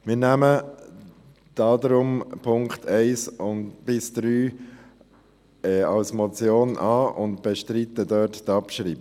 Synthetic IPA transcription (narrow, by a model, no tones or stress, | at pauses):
mɪːɾnæmə | d̥ɑːd̪ɾʊmpʰʊŋktʰɛɪsʊntb̥ɪsd̥̪ɾyː | ɛːɑlsmɔt͡sjoːnʔɑːʊntb̥ɛʃtɾitədœːttɑpʃɾiːb